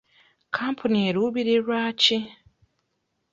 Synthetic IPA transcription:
kʰaːmpʰunieɾuβiɾiɾwaːci

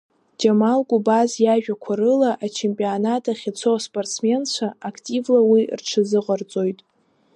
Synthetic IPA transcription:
d͡ʒamalɡʼubazjaʒᶣakʷʰaɾɨlaʔat͡ʃʰempʼionatʰʼaχʲɪt͡sʰospʼortsʰme̞nt͡ɕʷʰaːkʰtʼivlawirʈ͡ʂʰɨzɨqʼərt͡sʼo̞jtʼ

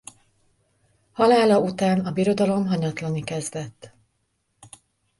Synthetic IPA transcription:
hɒlaːlɒut̪aːnɒbiɾo̞d̪ɒlo̞mɦɒɲɒt̪lɒnikɛzd̪ɛt̪ː

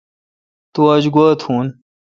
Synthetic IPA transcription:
t̪uɐd͡ʑɡoːt̪ʰhuːn

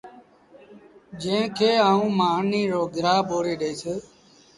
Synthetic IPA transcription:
d͡ʒẽːkʰeːaːũːmaːniːɾoːɡɪɾaːboːɾeːɗeːseː

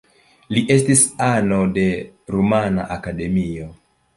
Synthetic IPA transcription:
liʔe̞s̬tisano̞de̞ɾumana̰ʔakade̞mio̞

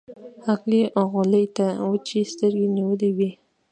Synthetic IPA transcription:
haqliʔoɣʊləjt̪awət͡ʃest̪əɾɡeniwəliwi

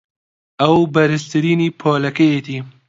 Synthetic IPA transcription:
ɐwbɐɾɨst̪ʰɨɾiːniːpʰɔːlɐkɐjet̪ʰiː

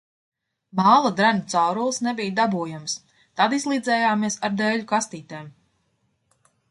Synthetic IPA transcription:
mɑːlˠad̪ɾanut̪sawɾulˠsnɛbijd̪abuɔjams | t̪ad̪izlˠiːd̪zɛːjaːmiɛsaɾd̪ɛːʎukast̪iːt̪eːm

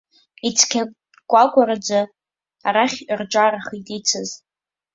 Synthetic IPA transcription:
it͡sʰkʲʰa | kʷʼakʷʼaɾad͡za | aɾaχʲird͡ʒʷʼaɾaχitʼit͡sʰɨz

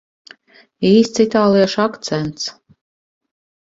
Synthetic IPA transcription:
iːst̪sit̪aːlˠijɛʃakt̪sɛnt̪s

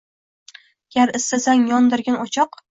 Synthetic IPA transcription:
ɡ̥ʲaɾɪst̪azaŋjɒnd̪ɪɾɡʲanɒt͡ʃʰɒq

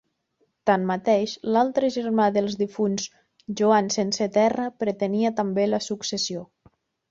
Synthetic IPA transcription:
t̪anmat̪eʃlalˠt̪ɾəʒəɾmaðəlˠzðifunz | ʒuansensət̪ɛrəpɾət̪əniət̪əmbeləsuksəsio

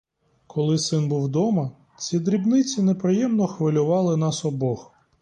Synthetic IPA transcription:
kʰɔlˠɪsɪnbuwd̪ɔmɐ | t͡sʲid̪ɾʲibnɪt͡sʲinepɾɪjɛmnɔxʋɪlʲʊʋɑlˠɪnɑsɔbɔx

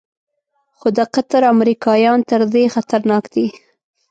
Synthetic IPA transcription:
xod̪əqat̪aɾamɾikɑjɑnt̪əɾd̪exat̪aɾnɑkd̪i

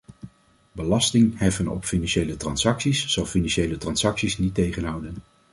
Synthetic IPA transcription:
bəlɑstɪŋɦɛfənɔ̰pfinɑnʃejlətrɑnsɑksisːɑlˠfinɑnʃejlətrɑnsɑksisnitːejχənɦʌwdən

